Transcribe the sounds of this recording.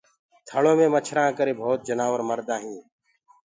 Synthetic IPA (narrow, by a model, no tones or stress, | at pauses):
t̪ʰəɭõːmẽːmət͡ʃʰɾãːkəɾeːbʱoːt̪̚d͡ʒənaːʋəɾməɾd̪ãːɦĩː